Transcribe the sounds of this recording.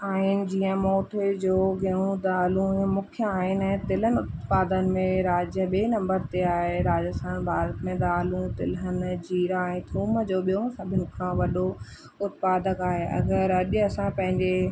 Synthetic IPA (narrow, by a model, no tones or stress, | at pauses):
aːɦɪnɪ̆d͡ʑiːə̃moːʈʰed͡ʑoːɡʱeũd̪aːlũiə̃mʊkʰjəaːɦɪnɛ̃ːt̪ɪl̤ənɪ̆ʊt̪paːd̪ənɪ̆mẽɾaːd͡ʑə̃ɓeːnɐ̃mbəɾt̪eaːɦeɾaːd͡ʑəst̪ʰaːnbʱaːɾət̪mẽd̪aːlũt̪ɪlɦən̆d͡ʑiːɾaɛ̃t̪ʰuːməd͡ʑoːɓijõsɐbʱɪnɪkʰãʋɐɗo | ʊt̪paːd̪əkaːɦeɐ̰ɡəɾɐʄɐsãpɐ̃ɦɪ̃ɲd͡ʑe